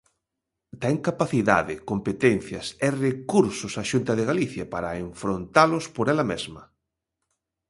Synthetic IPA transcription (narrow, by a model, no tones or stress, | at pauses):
t̪ɛŋkapaθiða̰ðɪkompet̪ɛn̟θjɐserekuɾsʊsaʃunt̪ɐðeɣaliθjɐpaɾɐeɱfɾont̪alʊspoɾɛlɐmezmɐ